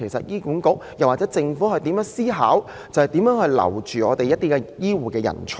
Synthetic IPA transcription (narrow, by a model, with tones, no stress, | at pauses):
e˨˩sɐ̰˨t̚jiː˥kuː˨˥nkʊ˨˥k̚jɐ˨˩waː˨tt͡sɛː˨˥t͡sɪ˧ŋfuː˨˥hɵ˨jt̪iː˨˥mjœː˨˥ŋsiː˥ɦa̰ː˨˥w | t͡sɐ˨whɛ˨jt̪iː˨˥mjœː˨˥ŋhɵ˧ɥlɐ̰˨˩wt͡ʃyː˨ɔː˨˧t̪e˨jɐ˥t̪̚iː˥kɛ˧jiː˥wuː˨˩kɛː˧jɐ̰˨˩nt͡sʰʊ˨˩